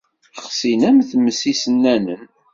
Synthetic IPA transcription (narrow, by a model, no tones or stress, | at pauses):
χsinæmθmːəsisənːænən